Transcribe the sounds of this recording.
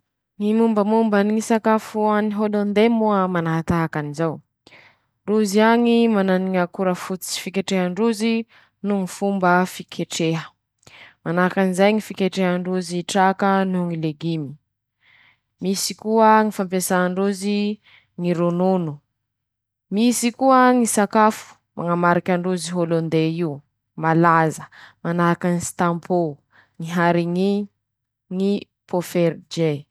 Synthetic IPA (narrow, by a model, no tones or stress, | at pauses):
ŋimumbəmumbənŋisakafuaniɦolond̪emuəmanaɦat̪aɦakanizaw | ɳɖ͡ʐuziaŋimananiŋəkuɾəfut͡si̥fikeʈ͡ʂeɦəɳɖ͡ʐuzi | nuŋifumbəfikʰeʈ͡ʂeɦə | manaɦakanizajŋifikeʈ͡ʂeɦəɳɖ͡ʐuziʈ͡ʂakənuŋileɡimi̥ | misikuəŋifampesaɳɖ͡ʐuzi | ŋiɾononu | misikuəŋisakafu̥ | ma̰ŋamaɾikʲaɳɖ͡ʐuziɦolond̪eiu | malazəmanakanist̪ampʰo | ŋiɦaɾiŋi | ŋi | pofeɾd͡ʒe